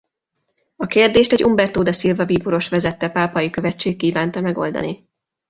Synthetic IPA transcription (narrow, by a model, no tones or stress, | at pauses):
ɒkeːrd̪eːʃt̪ɛɟʔumbɛrt̪oːd̪ɒsilvɒbiːpoɾo̞ʃʋɛzɛt̪ːɛpaːpɒjikøvɛt͡ʃːeːkːiːvaːnt̪ɒmɛɡo̞̰ld̪ɒ̰ni